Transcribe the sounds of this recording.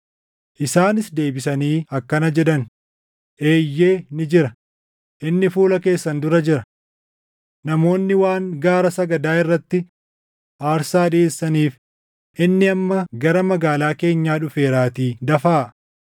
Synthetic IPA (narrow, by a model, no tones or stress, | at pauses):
ʔɪsaːnɪsd̪e̞ːbɪsɐniːɐkːɐnɐd͡ʒɛᶑɐn | ʔe̞ːjːe̞ːnɪd͡ʒɪɾɐ | ʔɪnːɪfuːlɐke̞ːsːɐnd̪ʊɾɐd͡ʒɪɾɐ | nɐmo̞ːnːɪwaːŋɡaːɾɐsɐɡɐd̪aːɪrːɐt̪ːɪ | ʔaːɾsaːᶑisːɐniːf | ʔɪnːɪɐmːɐɡɐɾɐmɐɡaːlaːke̞ːɲːaːᶑʊfe̞ːɾaːt̪iːd̪ɐfaː